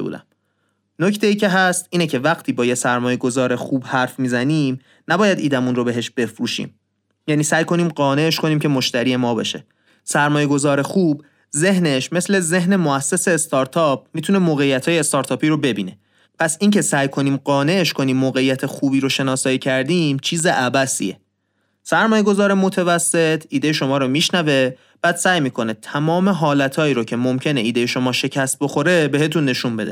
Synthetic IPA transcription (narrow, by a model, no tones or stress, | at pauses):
ṵd̪æ̰m | nocʰt̪ʰe̞iːcʰe̞ɦæst̪ʔiːne̞cʰe̞væɣt̪ʰiːbɒːjesæɾmɒːje̞ɡo̞zɒːɾe̞xuːbhæɾfmiːzæniːm | næbɒːjæd̪ʔiːd̪æmunrobe̞ɦe̞ʃb̥e̞fɾuːʃḭːm | jæniːsæjkʰo̞niːmɢɒːne̞eʃkʰo̞niːmcʰe̞moʃt̪æɾiːe̞mɒːbeʃe | sæɾmɒːje̞ɡo̞zɒːɾe̞xuːb | ze̞hne̞ʃme̞sle̞ze̞ɦne̞moæsːese̞ːst̪ʰɒːɾt̪ʰɒːp̚mit̪ʰune̞moːɣejːæt̪ʰhɒːjeːst̪ɒːɾt̪ʰɒːpʰiːɾobe̞biːne̞ | pʰæsiːŋcʰe̞sæjkʰo̞niːmɢɒːne̞ʔeʃkʰo̞niːmːoːɣejːæt̪ʰe̞xuːbiːɾoʃe̞nɒːsɒːiːcʰæɾd̪iːmt͡ʃʰiːze̞ʔæbæsḭe̞̰ | sæɾmɒːje̞ɡo̞zɒːɾemot̪ʰevæsːe̞t̪ʰiːd̪ejeʃo̞mɒːɾomiːʃnæve̞ | b̥æːd̪̥sæːjmiːkʰo̞net̪ʰæmɒːme̞ɦɒːlæt̪ʰɒːiːɾocʰe̞momcʰe̞ne̞iːd̪e̞jeʃo̞mɒːʃe̞cʰæst̪̚bo̞xo̞ɾe̞be̞ɦe̞t̪unːe̞ʃumbe̞d̪e